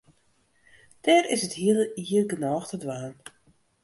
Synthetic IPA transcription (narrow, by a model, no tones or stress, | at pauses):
d̥ɛːrɪsəthiələiərɡənɔːxtədʋaːn